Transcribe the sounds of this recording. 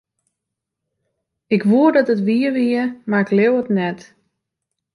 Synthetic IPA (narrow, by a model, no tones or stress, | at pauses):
ɪkʋuədɔtətʋiəʋiəmaɪklewətnɛt